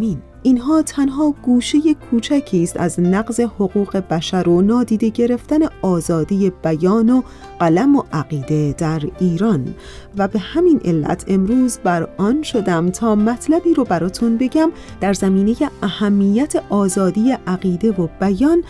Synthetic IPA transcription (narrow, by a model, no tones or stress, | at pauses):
iːn | inɦɒːt̪ʰænɦɒːɡ̥uːʃe̞je̞kʰuːt͡ʃʰæcʰiːst̪æ̰znæɣze̞ho̞ɣuːɣe̞bæʃæɾonɒːd̪iːd̪e̞ɟe̞ɾe̞ft̪æne̞ɒːzɒːd̪ije̞b̥æjɒːno | ɢ̥ælæmo̞ʔæɢiːd̪e̞d̪̥æɾiːɾɒːn | væbe̞hæminʔe̞lːæ̰t̪ʰe̞mɾuːzbæɾɒːnʃo̞d̪æmt̪ʰɒːmæt̪ʰlæbiːɾobæɾɒːt̪ʰunbe̞ɟæm | d̪̥æɾzæmiːne̞je̞ʔæhæmːijæt̪ʰe̞ʔɒːzɒːd̪ijeʔæɣiːd̪e̞vobæjɒːn